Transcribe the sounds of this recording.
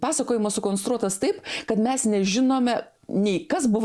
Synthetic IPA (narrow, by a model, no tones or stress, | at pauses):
pɑːsɐkoːjɪmɐsʊkoːnst̪ɾuɔt̪ɐst̪ɐɪpkɐt̪mʲɛsnʲɛʒʲɪnoːmʲɛ | nʲɛɪkɐsbʊʋ